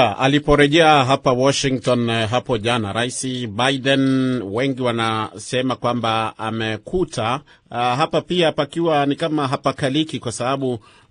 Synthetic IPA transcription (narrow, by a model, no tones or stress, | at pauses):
a̰lipɔɾɛʄɛaɦapawɔʃiŋtɔnɦapɔʄanaɾaisibaiɗɛnwɛŋɡiwanasɛmakwambaa̰mɛkuta | ɦapapiapakiwanikamaɦapakalikikwasaɓaɓu